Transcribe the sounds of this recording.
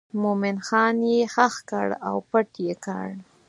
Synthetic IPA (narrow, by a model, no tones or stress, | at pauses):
momɪnxɑnjexaxka̰ɽa̰wpəʈjeka̰ɽ